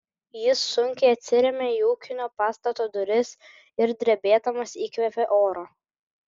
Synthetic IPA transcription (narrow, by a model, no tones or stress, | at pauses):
jɪsːʊŋʲkʲɛɪɐt̪ʲsʲɪɾʲɛmʲeːiuːkʲɪnʲoːpɑːst̪ɐt̪oːd̪ʊɾʲɪs | ɪɾd̪ʲɾʲɛbʲeːd̪ɐmɐsiːkʋʲɛpʲeʔoːɾoː